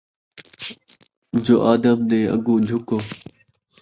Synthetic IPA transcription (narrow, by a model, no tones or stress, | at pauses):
d͡ʒoːʔaːd̪əmd̪eːə̰ɡũːd͡ʒʱʊkoː